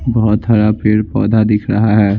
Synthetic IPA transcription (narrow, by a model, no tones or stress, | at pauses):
bɔɦɔt̪ɦaɾapʰɪɾpɔːd̪ʱad̪ɪkʰɾɐɦaɦɛː